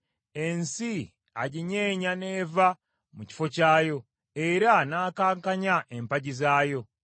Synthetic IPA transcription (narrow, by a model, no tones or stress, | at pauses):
e̞nsi | aɟiɲe̞ːɲane̞ːva | muci̥fo̞caːjo̞ | eɾanaːkaːŋkaɲaʔempaɟizaːjo̞